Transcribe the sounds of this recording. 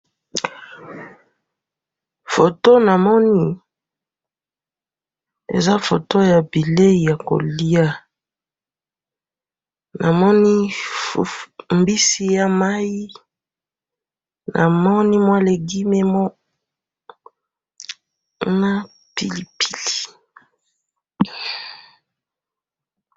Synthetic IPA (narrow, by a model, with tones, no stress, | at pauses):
fo˨to˦na˨mɔ˦ni˦ | ḛ˨za˦fo˨to˦ja˨bi˨le˦i˨ja˨ko̰˨li˦a˦ | na˨mɔ˦ni˦˨ | mbi˦si˦ja˦ma˦ji˦ | nʔa̰˨mɔ˦ni˦mwa˦le˨ɡi˦me˦mɔ˦ | na˦ | pi˨li˨pi̥˨li̥˨